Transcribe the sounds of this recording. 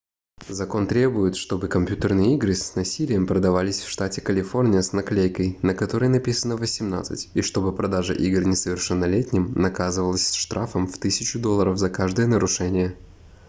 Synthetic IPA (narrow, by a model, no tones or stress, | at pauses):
zɐko̞nt̪ɾʲe̞bʊjɪt̪ʂt̪o̞bɨkɐmʲpʲjut̪ərnɨjəiɡɾɨsʲnɐsʲilʲɪjəmpɾəd̪ɐvalʲɪsʲfʂt̪atʲɪkəlʲɪfo̞rnʲɪjəsnɐklʲejkəjnəkɐt̪o̞ɾəjnɐpʲisənəvəsʲɪmna̰t̪sɨ̰tʲiʂt̪o̞bɨpɾɐd̪aʐə̰ʔiɡrɨnʲɪsəvʲɪrʂɛnːəlʲetʲnʲɪmnɐkazɨvəlˠəsʲsʂt̪ɾʔafəmft̪ɨsʲɪt͡ɕʊd̪o̞lˠːəɾəfzɐkaʐd̪əjənəɾʊʂɛnʲɪjə